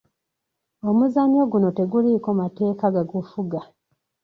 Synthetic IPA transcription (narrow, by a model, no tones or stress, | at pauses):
omuzamo̞ɡuno̞te̞ɡulikomate̞ːkaɡaɡufuɡa